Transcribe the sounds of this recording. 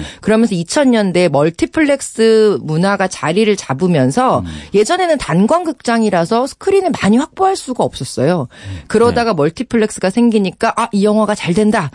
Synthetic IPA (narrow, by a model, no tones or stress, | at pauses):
kɯɾʌmjʌnsʰʌit͡ɕʰʌɲɲʌnde̞mʌɭtʰipʰɯɭːe̞k̚s͈ɯmunaɡat͡ɕaɾiɾɯɭt͡ɕabumjʌnsʰʌje̞d͡ʑʌne̞nɯntanɡwanɡɯk̚t͡ɕ͈aŋiɾasʰʌsʰɯ̥kʰɯɾinɯmaɲiɸwak̚p͈oɦaɭs͈uɡaʌp̚s͈ʌs͈ʌjokɯɾʌdaɡamʌɭtʰipʰɯɭːe̞k̚s͈ɯɡasʰe̞ŋɡiɲik͈aʔaʔijʌŋwaɡat͡ɕaɭdwenda